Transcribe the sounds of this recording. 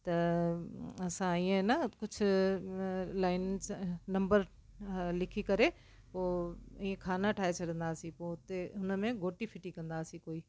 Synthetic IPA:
t̪ɐ | ɐsãiːẽnəkʊd͡ʑʰʱʊ̆ | laːɪnnɐ̃mbəɾ | lɪkʰikɐɾe | poːĩːẽkʰaːnaʈʰaːɦet͡ɕʰɐɽə̃nd̪aːsĩpoːʊt̪eɦʊnə̆mẽɡʱoːʈifʰɪʈikɐ̃nd̪aːsĩkoːiː

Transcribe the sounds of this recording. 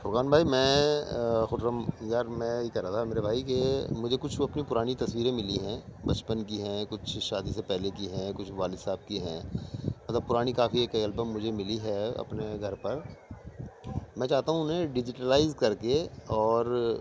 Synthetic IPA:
fʊɾkaːnbʱaːimɛ̃ː | xʊʈɾəmjaːɾmɛ̃ːjekɐɾat̪ʰameːɾebʱaːikemʊd͡ʒʱekʊt͡ʃʰɐpnipʊɾaːɽ̃it̪ɐswiːɾẽmɪliɦɛ̃ːbɐt͡ʃpənk̬iɦɛ̃kʊt͡ʃʰʃaːd̪isepɛɦlekiɦɛ̃ːkʊt͡ʃʰʋaːlɪsaːb̚kiɦɛ̰̃ːmɐt̪ləb̚pʊɾaːɽ̃ikaːfiekɐlbəmːʊd͡ʒʱemɪliɦɛɐ̰pneɡʱɐɾpɐɾ | mɛ̃ːt͡ʃaːɦt̪aːɦũʊnɦẽɖɪd͡ʒɪʈəlaːɪzkɐɾkeɔːɾ

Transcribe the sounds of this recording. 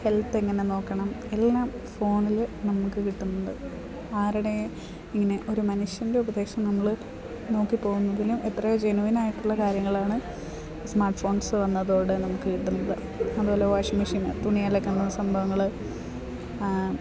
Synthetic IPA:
he̞lt̪ːe̞ŋːɐneno̞ːkːɐɳɐme̞lːaːm | fo̞ːɳilnɐmukːɨkiʈːunːɐd̪ɨ | aːɾiɽe̞ | iŋːɐne̞ʔo̞ɾumɐnuʂjɐnde̞ubɐðe̞ːʂɐmnɐmːɐɭɨ | no̞ːkːipːo̞ːɣunːɐðilumet̪rɐjod͡ʑenuʋinaːjiʈːuɭːɐkaːɾjɐŋːɐɭaːɳɨ | smaːrʈːfo̞ːɳsɨʋɐnːɐðo̞ːɽɨnɐmukːɨkiʈːunːɐðɨ̰ | ɐðuo̞ːle̞ʋaʂɐmiʂiːnɨ̰t̪uɳijaːlekːɐnːɐðsɐmbʱɐʋɐŋːɐɭ

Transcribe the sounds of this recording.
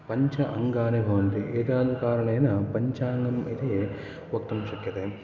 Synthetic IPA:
pɐɲt͡ʃɐʔɐŋɡaːnebʱɐʋɐnt̪iʔeːt̪aːd̪ukaːɾɐɳɐjnɐpɐɲt͡ʃaːŋɡɐmit̪eː | ʋok̚t̪ɐmʃɐkjɐt̪e

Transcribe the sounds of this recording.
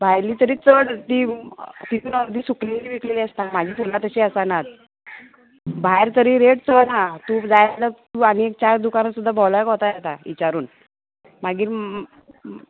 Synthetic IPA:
bʱajliːt̪əɾiːt͡səɽt̪iːt̪it̪uːnəɾd̪ʱiːsukliŋliʋikleliːəst̪amad͡ʑʱiːfulat̪əɕiəsanat̪̚ | bʱaeɾt̪əɾiːɾeʈt͡sənat̪ud͡zajlət̪uaniek̚t͡ɕaɾd̪ukanasud̪ʱːabʱɔljəkɦot̪ajat̪aʋḭt͡ɕaɾuːn | maɡiːɾ

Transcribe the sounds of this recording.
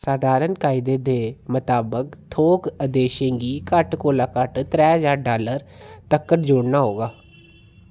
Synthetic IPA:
saːd̪ʱaːɾənkaːɪd̪eːd̪eːmʊt̪aːbəkt̪ʰoːkəd̪eːʃẽːɡiːkəʈkoːlaːkəʈt̪ɾɛːɦəzaːɾɖaːləɾt̪əkːəɾd͡ʒʊːɽnaːɦoːɡaː

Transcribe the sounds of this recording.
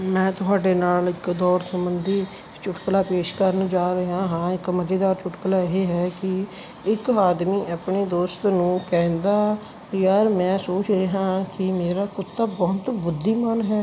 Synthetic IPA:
mɛ̃ːt̪ʊɦaːɖeːnaːlɪkd̪ɔːɾsəmbənd̪iː | t͡ʃʊʈkəlaːpeːʃkəɾnũːd͡ʒaːɾəɦãːɦãːɪkməd͡ʒeːd̪aːɾt͡ʃʊʈkəlaːɪɦeːɦɛːkɪ | ɪkaːd̪miːʔəpɳeːd̪oːst̪nũːkɛ̃ːnd̪aː | jəɾmɛ̃ːsoːt͡ʃɾeːɦãːkɪmeːɾaːkʊt̪ːaːbɔːt̪bʊd̪ːiːmənɦɛː

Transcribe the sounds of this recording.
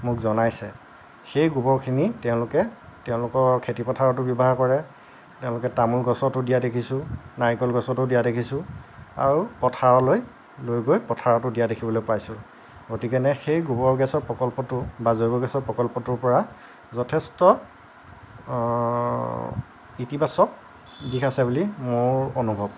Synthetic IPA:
mʊkzɔnajsɛ̰ | xejɡubɔɹkʰinitɛʊ̃lʊkɛtɛʊ̃lʊkɔɹkʰetipɔtʰaɹɔtʊbibaɦakɔɹɛ | tɛʊ̃lʊkɛtamulɡɔsɔtʊdijadekʰisʊ̃naɹikɔlɡɔsɔtʊdijadekʰisʊ̃a̰ɹupɔtʰaɹɔloj | lojɡojpɔtʰaɹɔtʊdijadekʰibɔlojpajsʊ̃ | ɡotikɛnɛxejɡupɔɹɡɛsɔɹpɹɔkɔlpɔtʊbazojbɔɡɛsɔɹpɹɔkɔlpɔtʊɹpɔɹa | zɔtʰɛstɔ | itibasɔk̚ | bikʰasɛbulimoɹonubʱɔb̚

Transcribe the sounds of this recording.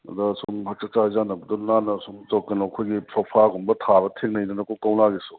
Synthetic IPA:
ɐ̰dɐsumɦak̚t͡ʃɐk̚t͡ʃazanɐbɐdunanɐsumt͡ʃɔkːɐnɔɐkʰojɡisɔpʰaɡumbɐtʰabɐtʰeŋnɐjnɐnɐkowkawnaɡisu̥

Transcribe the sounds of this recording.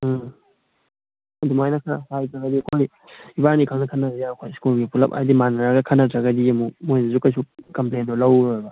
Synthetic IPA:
ɐdumajnɐkʰahajtɐɡɐdiɐkʰoj | iβanikʰaŋnɐkʰɐnːɐzjaɐkʰojskulɡipulɐpa̰jdimanɐɾaɡɐkʰanːɐtɐɡɐdiɐmumojnɐzukajs̬ukɐmplendɔlawba

